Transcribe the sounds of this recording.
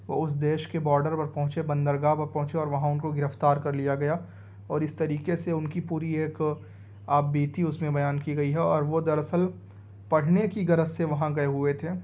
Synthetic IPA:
ʋoʊs̬d̪eːʃkebɔːɾɖəɾpɐɾpɐ̃ɦʊ̃t͡ʃebɐ̃nd̪əɾɡaːpɐɾpɐ̃ɦʊ̃t͡ʃeɔːɾʋɐɦãʊnkoɡɪɾəft̪aːɾkɐɾlijaɡɐja | ɔːɾɪst̪ɐɾiːkeseʊnkipuːɾieːk | aːbbiːt̪iʊsmẽbɐjaːnkiɡɐiɦɛɔːɾʋod̪ɐɾɐsəl | pɐɽ̤nekiɡɐɾəsseʋɐɦãɡɐeɦʊet̪ʰeː

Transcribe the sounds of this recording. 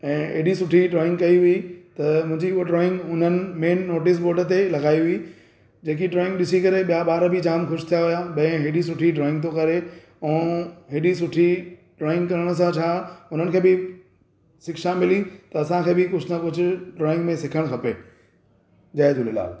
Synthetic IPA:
ɛ̃ːḛːɽisʊʈʰiɖɾɔːɪ̃ŋɡkɐiɦʊit̪ɐmʊ̃ɦɪ̃ɲd͡ʑiʊoɖɾɔːɪ̃ŋɡʊn̤ənɪ̆meːnːoːʈɪs̬boːɖət̪elɐɡaːiɦʊi | d͡ʑeːk̬iɖɾɔːɪ̃ŋɡɗɪsikɐɾeɓijaɓaːɾbʱɪd͡ʑaːmxʊʃt̪ʰijaɦʊjaɓɐ̃ɪ̃ɦeɖisʊʈʰiɖɾɔːɪ̃ŋɡ̚t̪̬okɐɾe | ɛ̃ːɦeɗisʊʈʰiɖɾɔːɪ̃ŋɡkɐɾəɽ̃ʊs̬ãt͡ɕʰaːʊn̤ənɪkʰeːbɪ | sɪkʃãmɪlit̪ɐɐsãkʰeːbɪkʊd͡ʑʱnɐpʊd͡ʑʱʊɖɾɔːɪ̃ŋɡmẽsɪkʰəɽ̃kʰɐpeː | d͡ʑaːed̪lla̰ː

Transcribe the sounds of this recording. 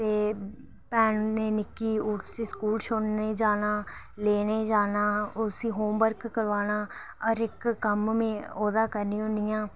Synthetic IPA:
t̪eː | pɛːnneːnɪkːiːʊʈsiːskuːlʃonneːd͡ʒaːnaː | leːneːd͡ʒaːnaːʊsĩːɦoːmbəɾkːəɾʋaːnaː | ɔɾɪkːəmmẽːɔːd̪aːkəɾnĩːʊ̃nd̪ɪjãː

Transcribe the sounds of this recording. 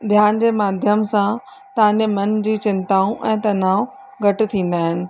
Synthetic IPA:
d̪ʱjaːnd͡ʑeːmaːd̪ʱjəmsã | t̪ɐʋ̤ãɲd͡ʑemɐnd͡ʑiːt͡ɕɪ̃nt̪aːũʔɛ̃ːt̪ɐnaːʊ | ɡʱɐʈɪ̆t̪ʰĩːnd̪aːɦɪnɪ̆

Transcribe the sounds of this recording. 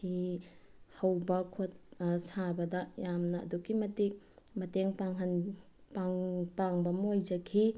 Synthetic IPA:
hi | hɐwbɐkʰot̚sabɐdɐjamnɐ̰ːdukimɐtik̚ | mɐteŋpaŋɦɐn | paŋpaŋbɐmɐojd͡ʒɐkʰi

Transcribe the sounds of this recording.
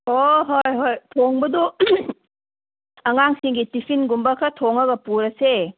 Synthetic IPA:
oɦojɦojtʰoŋbɐdu | ɐŋaŋsiŋɡitipʰinɡumbɐkʰɐtʰoŋɐɡɐpuɾɐse

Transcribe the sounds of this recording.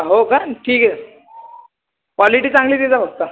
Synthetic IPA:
ɦokaɾanʈʰiːkɛ | kʋɔliʈiːt͡sãŋɡliːt̪it͡sabəɡ̚t̪a

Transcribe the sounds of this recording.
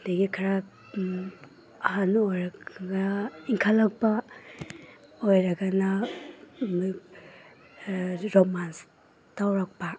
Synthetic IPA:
deɡikʰaɾa | ahanojɾaɡaiŋkʰalak̚pa | ojɾɐɡana | ɾomans | tawɾak̚pa

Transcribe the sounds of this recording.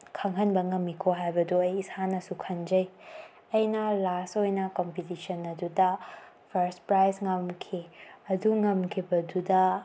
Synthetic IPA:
kʰaŋɦɐnbɐŋɐmːikʰoɦajbɐduɐjːsanɐsukʰɐnd͡ʒɐj | ɐjnɐlastojnɐkompitisɐnɐdudɐ | pʰɐɾspɾajsŋɐmkʰiɐduŋɐmkʰibɐdudɐ

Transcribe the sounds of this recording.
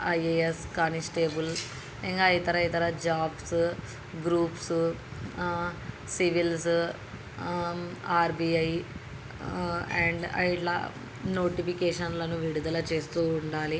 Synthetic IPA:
ɐjeeskɐnisʈeːbul | iŋɡajit̪ɐɾɐjit̪ɐɾɐd͡ʒaːbs | ɡɾuːps | siʋils | aːɾbiɐj | eɳɖɐ̰iʈla̰ | noːʈipikeːʂɐnlɐnuʋiɽud̪ɐlɐt͡ʃe̞ːst̪uːɳɖaːli

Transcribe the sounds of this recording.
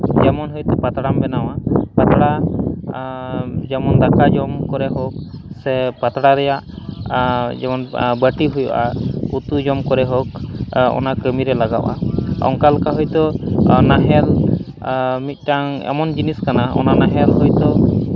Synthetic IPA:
d͡ʒɛmɔnɦɔjt̪ɔpat̪ɽambɛnawapat̪ɽa | d͡ʒɛmɔnd̪akad͡ʒɔmkɔɾɛɦɔk̚sɛpat̪ɽaɾɛjaʔ | d͡ʒɛmɔnbəʈiɦujuʔaut̪ud͡ʒɔmkɔɾɛɦɔkɔ̰nakəmiɾɛlaɡa̰ʔa̰ɔ̰ŋkalkaɦɔjt̪ɔnaɦɛl | mit̪̚ˀʈaŋɛ̰mɔnd͡ʒiniskanaɔ̰nanaɦɛlɦɔjt̪ɔ

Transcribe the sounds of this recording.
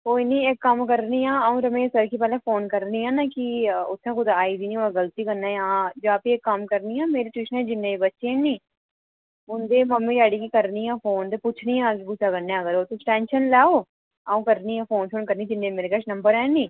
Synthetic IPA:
koːinĩːɪkːəmkəɾniːãːaũːɾəmẽːsəɾkʰiːp̬ɛːlẽːpʰoːnkəɾniːãːnaːkɪʊt̪ʰːãːk̬ʊd̪aːiːd̪iːniːoaɡəlt̪iːkəɾnãːãːd͡ʒaːpiːɪkːəmkəɾniːãːmeːɾiːʈwiːʃənɛ̃ːd͡ʒɪnːẽːiːbətːʃẽːnĩː | ʊnd̪eːməmːiːɾɛːɽiːkiːkəɾniːaːpʰoːnt̪eːpʊt͡ʃʰniːãːkibʊsaːkənːẽːəɡəɾoːt̪ʊ̃ʈɛ̃ːnʃənlɛːoː | aːũːkəɾniːãːpʰoːnʃoːnkəɾniːd͡ʒɪnːẽːmeːɾeːkəʃnəmbəɾɛ̃ːniː

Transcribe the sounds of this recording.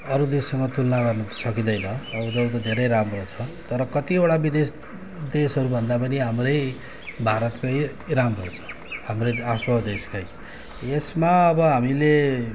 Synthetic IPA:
ʌɾud̪esːʌŋʌt̪ulnaɡʌrnʌsʌkid̪ʌjnʌːbʌd͡zʌɾut̪̬ʌd̪ʱeɾʌjɾamrot͡sʰʌt̪ʌɾʌkʌt̪ioɽabid̪es | d̪esɦʌɾubʱʌnd̪apʌniɦamrʌj | bʱaɾʌt̪kʌj | ramrot͡sʰʌ̥ | hamrʌaswʌd̪eskaj | esmaʌbʌɦamile

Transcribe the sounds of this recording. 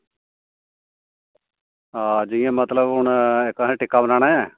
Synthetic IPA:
aːd͡ʒiːãːmət̪ləbɦʊɳekaːɦẽːʈɪkːaːbənaːɽ̃aːɛː

